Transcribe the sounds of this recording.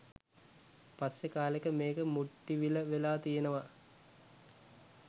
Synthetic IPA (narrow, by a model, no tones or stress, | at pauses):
pasjekaːlekəmeːkəmuʈːiʋiləʋelaːt̪ijenəʋa